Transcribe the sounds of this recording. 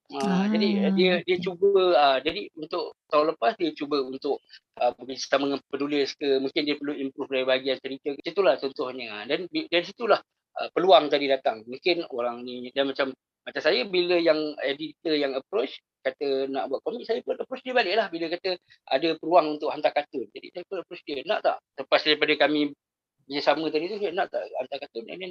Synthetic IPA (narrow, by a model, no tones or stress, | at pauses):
əd͡ʒadidiədiət͡ʃubəəd͡ʒadiunt̪ʊʔt̪aũnləpasdiət͡ʃubəunt̪ʊʔəməɡisə̥t̪aməŋanpənulɪskəmuŋkɪndiəpərluimpɾufdaɾibaɦaɡiant͡ʃəɾit̪əkət̪ət̪ulaht͡ʃɔnt̪ʊhɲədanbidaɾisit̪ulah | ʔə̰pəluaŋt̪adidat̪aŋmuŋkɪnoɾaŋnĩdanmat͡ʃamː | at͡ʃamsajəbiləjaŋedit̪əjaŋəpɾot͡ʃ | kat̪ənaʔbuaʔ̪komik̚sajəpʊnəpɾot͡ʃdiəbalɪʔlahbiləkat̪ə | a̰dəpəɾuaŋunt̪ʊʔɦant̪akat̪ʊnd͡ʒadḭsajəpʊnəpɾot͡ʃdiəna̰ʔt̪a̰ʔsəpasdaɾipadəkamĩ | bəd͡ʒasamə̃t̪adit̪usajnãʔt̪a̰ʔa̰nt̪akat̪ʊna̰nan